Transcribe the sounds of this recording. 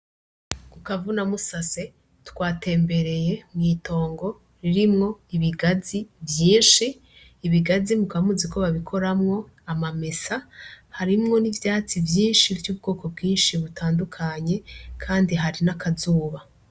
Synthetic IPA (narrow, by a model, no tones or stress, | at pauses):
kukavunamusase̞ | tkwaːte̞ːmbe̞ɾe̞je̞mŋiːto̞ːŋɡo̞ | ɾiɾimŋo̞iβiɡazibjiːnʃiː | βiɡazimukamuzikʰo̞βaβikʰo̞ɾamŋo̞ | amamesahaɾimŋo̞nivjaːt͡sivjiːnʃivjuːbɡo̞ːko̞bɡiːnʃiβutaːndukʰaɲe̞kʰaːndiɦaɾinakʰazuːβa